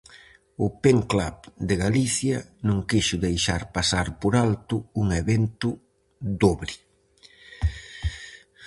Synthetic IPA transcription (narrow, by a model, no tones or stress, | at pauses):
ʊpeŋklaβd̪ɪɣaliθjɐnõŋkiʃʊðejʃaɾpasaɾpoɾalt̪ʊuŋeβent̪ʊ | d̪oβɾɪ